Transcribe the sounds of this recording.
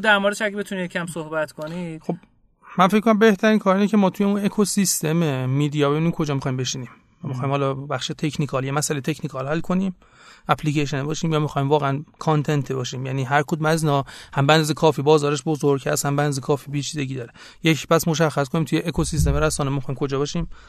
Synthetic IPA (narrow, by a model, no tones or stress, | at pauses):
ud̪æɾmoɾd̪eʃæɡebet̪unijecʰæmsohbæt̪kʰonixo̞b̚ | mænfeckʰːonæmbe̞ht̪ʰæɾiːnkʰɒːɾinecʰe̞mɒːt̪ʰujeũnekʰosist̪ʰe̞memid̪ijɒbejunikʰo̞d͡ʒɒːmixɒːjimbe̞ʃiniːm | jɒːmixɒːjiːmhɒlɒbæχʃet̪ʰecʰnikʰɒːljemæsælet̪ʰecʰnikʰɒlhælkʰo̞nim | ʔæpʰlikʰeʃe̞nebɒːʃiːmjɒːmixɒimvɒːɣeænkʰɑnt̪ʰe̞nt̪ʰebɒːʃiːmjæniːɦæɾkʰud̪mæzinɒhæmbeænd̪ɒzekʰɒːfibɒːzɒːɾeʃbozoɾɟhæ̰shæmbeænd̪ɒzekʰɒːfiːbit͡ʃʰizeɟiːd̪ɒːɾe | jecʰpæsmoʃæxːæskʰoniːmt̪ʰujeʔːkʰosist̪emeɾæsɒːnemixɒːjimkʰo̞d͡ʒɒːbɒːʃiːm